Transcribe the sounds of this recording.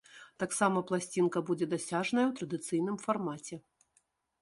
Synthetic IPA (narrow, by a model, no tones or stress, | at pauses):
t̪aksamɐplˠasʲt͡sʲinkɐbud͡zʲɛd̪asʲaʐnɐjɐwt̪ɾɐd̪ɨt̪sɨjn̪ɨmfarmat͡sʲɛ